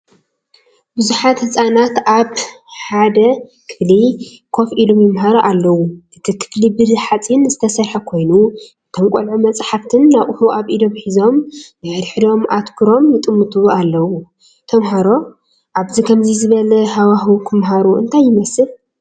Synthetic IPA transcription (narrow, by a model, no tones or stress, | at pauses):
bɨzuħat̪hɨsʼanat̪aβ | ħad̪ɐkʰɨ̥flikʰo̞filomjɪmɦaɾoʔalːɐwuʔɨt̪ʰikʰɨ̥flibɨzħat͡sʼinzɨt̪ʰɐsɐɾħɐkʰo̞jnu | t̪ʰɐmkʼolʕumɐt͡sʼħaft̪ʰɨnːaβʔɨhuʔaβʔid̪oβħizo̞mzaɾħd̪o̞mʔat̪kʰɨɾo̞mjɪt̪ʼɨmːɨt̪ʼualːɐwu | t̪ʰɐmɦaɾo̞ | ʔaβzikʰɐmzizɨβɐlɐhawaɦuk̪ʰɨmɦaɾuɨ̰nt̪ʰajːɪmɐsɨl